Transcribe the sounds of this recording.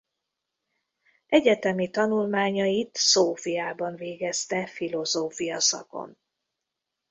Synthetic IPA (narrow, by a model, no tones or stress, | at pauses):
ɛɟɛt̪ɛmit̪ɒnulmaːɲɒjit̪soːfijaːbɒɱveːɡɛst̪ɛfilo̞zoːfijɒsɒ̰ko̞̰n